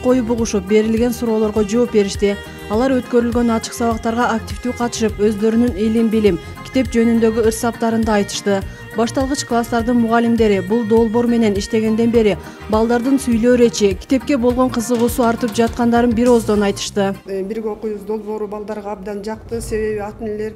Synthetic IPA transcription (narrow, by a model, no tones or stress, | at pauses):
qʰo̞jupuʁuʃup̚be̞ɾilɡʲe̞nsuɾo̞ːlˠo̞ɾʁo̞d͡ʒo̞ːp̚be̞ɾiʃt̪i | ɑlˠɑɾø̞t̪kø̞ɾylɡønɑt͡ʃɯ̥qsɑβɑqt̪ɑɾʁɑːk̚tʲift̪yːqʰɑt̪ɯ̥ʃɯpø̞zd̪ø̞ɾynynilimbilim | kʲi̥t̪e̞p̚d͡ʒø̞nynd̪ø̞ɡʲyɯɾsɑp̚t̪ɑɾɯnd̪ɑːjt̪ɯ̥ʃt̪ɯ | bɑʃt̪ɑlˠʁɯt͡ʃklˠast̪ɑɾd̪ɯnmuʁɑlʲimd̪e̞ɾibulˠd̪o̞lˠbo̞ɾme̞ne̞niʃt̪e̞ɡe̞nd̪e̞nbe̞ɾi | bɑlˠd̪ɑɾd̪ɯnsyjlø̞ːɾet͡ʃikʰʲi̥t̪e̞p̚ke̞bo̞lˠʁo̞ɴqʰɯzɯʁuːsuɑɾt̪ɯp̚d͡ʒɑt̪̚qɑnd̪ɑɾɯnbiɾo̞zd̪o̞nɑjt̪ɯ̥ʃt̪ɯbiɾɡʲeo̞qujβɯzd̪o̞lˠbo̞ːɾubɑlˠd̪ɑɾʁɑɑb̚d̪ɑnd͡ʒɑq̚t̪ɯse̞βe̞βiɑt̪enele̞ɾ